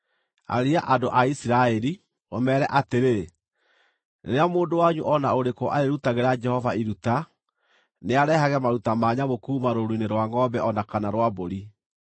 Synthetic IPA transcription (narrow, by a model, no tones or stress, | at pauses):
a̰ɾiaʔadoʔaisiɾaɛɾi | o̰mɛːɾɛʔateɾe | nḛɾeamoːndowaɲuʔɔnaoɾekɔʔaɾeɾutaɣeɾad͡ʒɛhɔvaiɾuta | neaɾɛhaɣɛmaɾutamaːɲaβokuːmaɾoɾineɾwaŋɔbɛʔɔnakanaɾwaboɾi